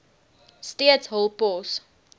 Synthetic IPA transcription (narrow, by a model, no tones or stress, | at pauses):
stiətsɦəlˠpɔs